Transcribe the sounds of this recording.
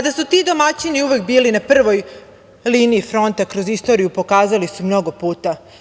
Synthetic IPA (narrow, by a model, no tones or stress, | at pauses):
ad̪asut̪id̪o̞mat͡ɕiniuʋekbiːlinapr̩ʋo̞j | liːniifɾo̞nt̪akɾo̞zist̪o̞ɾijupo̞kaːzalisumno̞ɡo̞puːt̪a